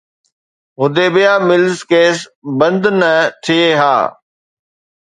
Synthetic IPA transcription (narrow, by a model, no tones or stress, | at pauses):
ɦʊd̪eːbɪjaːmɪlzkeːsbɐ̃nd̪nət̪ʰieɦa̰ː